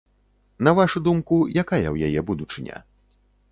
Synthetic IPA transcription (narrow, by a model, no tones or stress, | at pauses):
nɐvaʂud̪umkujakajɐ̰wja̰jɛbud̪ut͡ʂɨnʲɐ̰